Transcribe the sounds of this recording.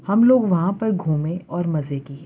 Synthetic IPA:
hɐmloːɡʋɐɦãpɐɾɡʱuːmẽɔːɾmɐzeki

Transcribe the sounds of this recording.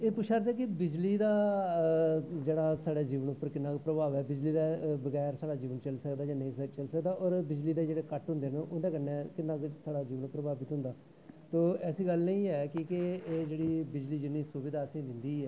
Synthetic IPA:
eːpʊʃʰaːɾd̪ɛːk̬ɪbɪd͡ʒliːd̪aː | d͡ʒeːɽaːsaːɽaːd͡ʒiːʋənʊpːəɾkɪnːãːkpɾəbaːʋɛːbɪd͡ʒliːd̪aːbəɡɛːɾsaːɽaːd͡ʒiːʋənt͡ʃəlsəkd̪aːd͡ʒãːnəĩːt͡ʃəlsəkd̪aːʔɔːɾbɪd͡ʒliːd̪eːd͡ʒeːɽeːkəʈɦʊ̃nd̪eːneʔʊnd̪ẽːkənẽːkɪnːaːksaːɽaːd͡ʒiːʋəɳpɾəbaːʋit̪ɦʊ̃nd̪aː | t̪oːɛːsiːɡəlnəĩːɛːkɪkɪeːd͡ʒeːɽiːbɪd͡ʒliːd͡ʒɪnːiːsʊʋɪd̪aːsĩːd̪ɪnd̪iːɛː

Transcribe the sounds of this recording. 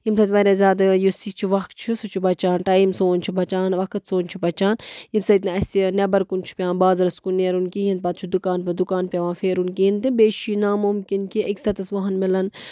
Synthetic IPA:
jimsɐt̪ʋɐɾʲaːzʲaːd̪ɐjusit͡ʃʰiʋɐk̪t͡ʃʰisut͡ʃʰibɐt͡ʃaːnʈaimsoːnʲt͡ʃʰibɐt͡ʃaːnʋɐkʰɐt̪soːnʲt͡ʃʰibɐt͡ʃaːnjimsɐt̪nɐɐsʲt̪inebɐɾkunt͡ʃʰi̥pʲjãːnbaːzɾɐskuneɾunkiːɦind̪̚pɐt̪̚t͡ʃʰud̪ukaːnpɐd̪ukaːnpʲɐʋãːfeːɾunkiɦint̪ɨbeːʃinamumkinkiʔɐksɐt̪ɐsʋɐɦɐnmilɐn

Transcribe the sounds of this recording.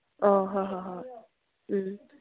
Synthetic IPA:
ɔɦãɦaɦã

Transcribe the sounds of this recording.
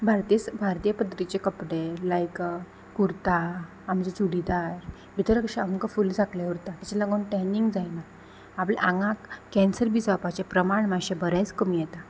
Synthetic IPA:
bʱaɾt̪isbʱaɾt̪ijəpəd̪əɾit͡ɕekəpɽelajk | kuɾt̪aː | md͡ʑet͡ɕuɽid̪aɾ | bʱit̪əɾəkɕaəŋkafuld͡zʱaklauɾt̪at̪at͡ɕalaɡonʈɛniŋɡd͡zajnaː | pleʔaŋãkkːɛ̃nsəɾbisʋapat͡ɕapɾəmaɳmaɕebəɾat͡skəmijɛt̪a

